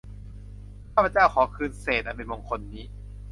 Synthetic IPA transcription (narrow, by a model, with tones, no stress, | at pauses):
a˥˩pʰːt͡ɕaː˥˩wkʰɔː˩˦kʰɯː˧nseː˨˩t̪̚a˧˩p̬e˧nmo˧ŋkʰo˧nːiː˦˥